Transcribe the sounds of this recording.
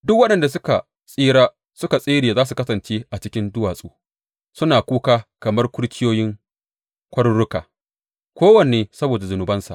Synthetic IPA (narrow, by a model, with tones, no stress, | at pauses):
dʊ˦k̚wɐ˦ɗɐ˨nda˨s̬ʊ˦ka˨ | sʼiː˦ɽaː˦ | sʊ˦ka˨sʼiː˦ɽi˨zaː˦s̬u˨kɐ˦sɐ˨nt͡ʃeː˦ʔa˨t͡ʃɪ˦kʲɪ˦ndʊ˦waː˨sʼṵː˦ | sʊ˦naː˨kʷuː˦kaː˦kɐ˨mɐ˦rkʷʊ˦ɽkʲɪ˦joː˦jɪ˦ŋ | kʷɐ˦ɽʊ˦ɽʊ˦ka̰ː˨ | kʷoː˦wɐ˨neː˨sɐ˦boː˨da˨zʊ˨nʊ˨bɐ˦nsa̰˨ʔ